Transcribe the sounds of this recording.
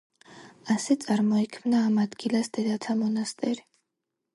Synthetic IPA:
asɛt̪sʼaɾmɔɛkʰmnaːmad̪ɡilasd̪ɛd̪at̪ʰamɔnast̪ʼɛɾi

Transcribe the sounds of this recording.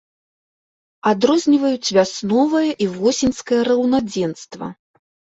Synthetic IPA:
ad̪ɾɔzʲnʲivɐjut͡sʲvʲasnɔvɐjɐʔivɔsʲinʲskɐjɐɾɐwnad͡zʲɛnst̪vɐ̰

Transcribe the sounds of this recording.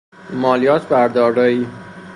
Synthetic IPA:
mɒːlijɒːt̪ʰbæɾd̪ɒːɾdɒːiː

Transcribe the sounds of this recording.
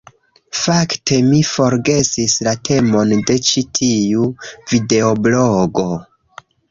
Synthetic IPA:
fakte̞mifo̞ɾɡe̞sislatʰe̞mo̞nde̞t͡ʃitʰiuvide̞obloɡo̞

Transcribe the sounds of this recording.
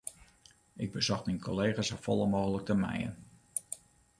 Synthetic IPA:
ɪɡ̚bəzɔxminkʰoleːχasəfɔlˠəmoːɣələk̚təmɛ̰jə̰n

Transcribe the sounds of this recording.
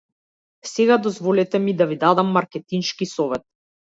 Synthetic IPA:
sɛɡad̪ɔzvɔlɛt̪ɛmid̪avid̪ad̪amːaɾkɛt̪inʃkisɔvɛt̪̚

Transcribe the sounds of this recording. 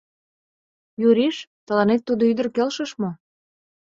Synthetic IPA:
juɾiʃt̪ə̆lɑnet̪ːud̪oyd̪ə̆rkelʃə̆ʃmo

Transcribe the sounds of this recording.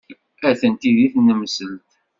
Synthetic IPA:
æθənt̪iðiθnːəməsəlt̪

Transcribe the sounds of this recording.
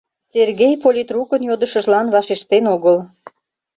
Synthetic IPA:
serɣejpolʲit̪rukənjod̪əʃəʒlɑnβɑʃeʃt̪enoɣəl

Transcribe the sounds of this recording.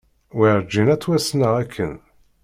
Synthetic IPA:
wiɾd͡ʒːinæt͡sːwæsnəʁækʰːə̰n

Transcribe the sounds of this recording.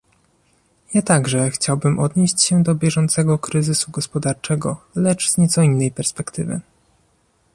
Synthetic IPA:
jat̪aɡʐɛxt͡ɕawbɘmʔɔd̪ɲeɕt͡ɕɕɛd̪ɔbʲjɛʐɔnt̪sɛɡɔkɾɘzɘsuɡɔspɔd̪aɾt͡ʂɛɡɔlɛt͡ʂzɲɛt̪sɔinːɛjpɛɾspɛkt̪ʰɘ̰vɘ̰

